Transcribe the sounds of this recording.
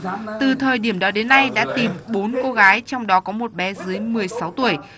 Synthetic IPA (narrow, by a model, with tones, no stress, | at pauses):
t̪ɨ˨˩t̪ʰəː˨˩jɗi˧˩əmɗɔ˨˦ɗe˨˦nːa˧jɗa̰ː˧˥t̪i˨˩mɓo˨˦nko˧ɣaː˨˦jt͡ɕɔ˧wŋ͡mɗɔ˨˦kɔ˨˦mo˨˩t̚ɓɛ˨˦zɨ˨˦əjmɨ˨˩əjsa˨˦wt̪u˧˩əj